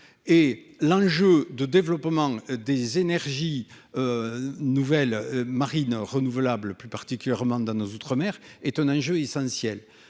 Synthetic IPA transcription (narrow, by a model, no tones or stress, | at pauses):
e | lɑ̃ʒød̪əd̪evəlɔpəmɑ̃d̪ezenɛʁʒi | ønuvɛlmaʁinʁənuvəlabləplypaʁt̪ikʲyljɛʁmɑ̃d̪ɑ̃nozot̪χəmɛʁɛt̪ɛ̃nɑ̃ʒøesɑ̃sjɛl